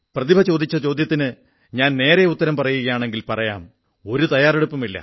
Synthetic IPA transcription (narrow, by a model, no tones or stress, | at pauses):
prɐðibʱɐt͡ɕo̞ːd̪it͡ɕːɐt͡ɕo̞ːd̪jɐt̪ːinɨ | ɲaːnne̞ːɾeut̪ːɐɾɐmpɐrɐjuɣɐjaːɳe̞ŋɡilpɐrɐja̰ːm | o̞ɾut̪ɐjaːre̞ɽupːumilːɐ̰